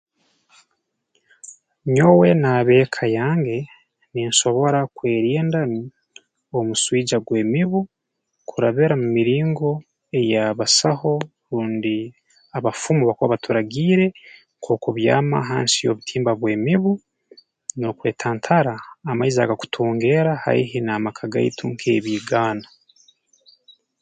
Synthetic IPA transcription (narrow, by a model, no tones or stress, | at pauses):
ɲo̞we̞naβe̞ːkʰajaːŋɡe̞ | ninʃo̞βo̞ɾakwe̞ːɾiːndan | omuswiːd͡ʒaɡwe̞ːmiβu | kʰuɾaβeɾamumiɾiːŋɡo̞ | e̞jaβasaho̞ | ɾuːndi | aβafumuβakoβaβatuɾaɡiːɾe̞ | ŋkʰo̞ːkoβja̰ːma̰ɦa̰ːnsijo̞̰βutʰiːmbaβwe̞ːmiβu | no̞kwe̞ːtʰaːntʰaɾaːmaiza̰ɡaku̥tʰoːŋɡe̞ːɾaha̰ḭɦinaːmakʰaɡa̰itʰuŋkʰe̞̰ːβiːɡaːna